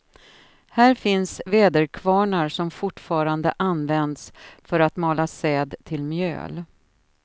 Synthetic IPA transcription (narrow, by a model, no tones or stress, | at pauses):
hæːɾfɪnsveːd̪əɾkʰvɑːɳaɾʂɔmfʊʈfɑːɾand̪əʔanvɛnd̪sfœɾat̪mɑːlasɛːd̪t̪ʰɪlmjø̰ːl